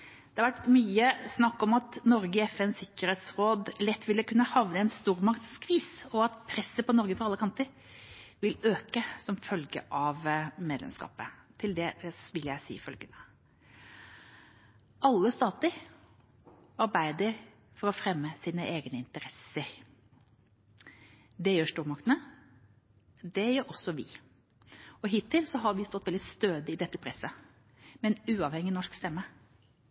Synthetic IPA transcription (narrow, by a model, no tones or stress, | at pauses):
d̪̥ɛɑɾʋæʈmyːəsnɑkːɔmɑt̪nɔɾɡəɪɛfɛnsɪkːəɾeːt̪sɾoːd̪lɛt̪ːʋɪlːəkʉnːəhɑʋnəɛnst̪uːɾmɑkt̪skʰʋiːsɔɑt̪pʰɾɛsːəpɔnɔɾɡəpʰɔɾɑlːəkʰɑnt̪əɾ | ʋɪløːkəsɔmfœlɡə̰ʔɑʋmeːd̪lɛ̰mskɑ̰ːpət̪ʰɪld̪ɛʋɪljæɪsḭːfœlɡənə | ʔɑlːəst̪ɑːt̪əɾ | ɑɾbæɪd̪əɾ | fɔɾɔfɾɛmːəsiːnəʔeːɡnəɪnt̪əɾɛsəɾ | d̪ɛjøːʂt̪uːɾmɑkt̪ənə | d̪ɛjøːɾɔsɔʋɪ̰ | ɔɦɪt̪ʰːɪlsɔɦɑɾʋɪst̪ɔt̪ʋɛld̪ɪst̪øːd̪əɪd̪ɛt̪ːəpʰɾɛsːə | mɛnʉːɑːʋhɛŋːɪnɔʂkst̪ɛmːə